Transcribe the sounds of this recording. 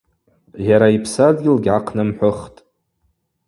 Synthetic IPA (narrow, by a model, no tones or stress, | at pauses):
jaɾaipʰsadɡʲɪlɡʲʕaqʰnɨmħʷʊχtʼ